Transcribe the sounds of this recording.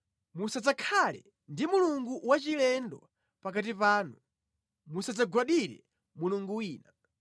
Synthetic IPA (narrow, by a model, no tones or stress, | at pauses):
musad͡zakʰalɛ̰ | ndimuluŋɡuwat͡ʃilɛndɔ | pak̬at̬ipaːnu | musad͡zaɡwaɗiɾɛ̰ | muluŋɡuwiːna